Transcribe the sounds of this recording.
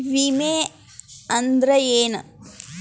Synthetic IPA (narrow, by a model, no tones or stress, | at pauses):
ʋimeː | ɐnd̪ɾɐeːn